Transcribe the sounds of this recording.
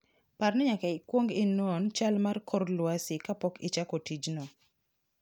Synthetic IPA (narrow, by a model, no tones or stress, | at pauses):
parnɛɲakɛɪkwoŋɡɪnɔnt͡ʃalmarkʰɔrlwasɪkapɔkɪ̰t͡ʃakɔtid͡ʒnɔ